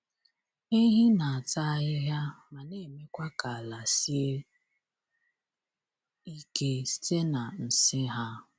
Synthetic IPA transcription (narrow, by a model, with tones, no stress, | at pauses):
i˦ɦi˦na˨a˨ta˦˨ɪ˦ɦja˦ma˨ne˨me˦kʷa˦ka˨a˨la˨si˦e˦ | i˦ke˦si̥˦te˦na˨n̩˨sɪ˦ɦa˦